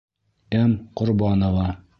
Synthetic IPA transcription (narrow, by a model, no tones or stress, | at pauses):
æmqŏɾbɑnŏvɑ